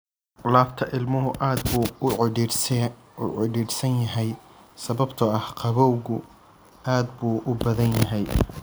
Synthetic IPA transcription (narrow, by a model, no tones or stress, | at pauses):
laːft̪ʰɐʔɪlmʊɦʊʔaːd̪b | ṵʕɪɖiːrsɐnjɐɦɛj | sɐβɐbt̪ʰɐɐhqʰɑβɔwɣʊ | aːd̪buːʔʊbɐðɐnjɐɦɛj